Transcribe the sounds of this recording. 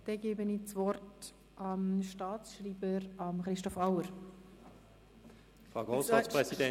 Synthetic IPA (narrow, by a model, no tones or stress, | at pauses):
d̥ɛɡeːbəniːt͡sʋɔrt | ʔɑmʃtɑːt͡sʃriːbəɾɑmχɾɪʃtɔfaʊəɾ | fʁaɡɔsɑːspʁɛsidɛ